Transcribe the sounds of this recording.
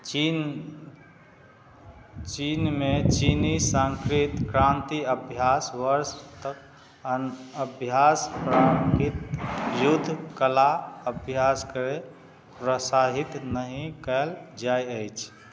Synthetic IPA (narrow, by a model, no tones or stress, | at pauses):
i | t͡ʃinmet͡ʃinisə̃ŋkɾit̪kɾãnt̪iəbʱjasʋəɾst̪ək̚ | ənəbʱjaspɾakit̪jud̪ʱːkəlaəbʱjaskəɾe | pɾəsaɦit̪nəɦĩkəld͡ʒajəjt͡ʃʰ